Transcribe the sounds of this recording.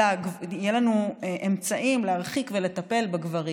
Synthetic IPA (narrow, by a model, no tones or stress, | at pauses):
aɡjelanuʔemt͡saʔimleaʁχikvele̞t̪ɐpe̞lbaɡvaʁi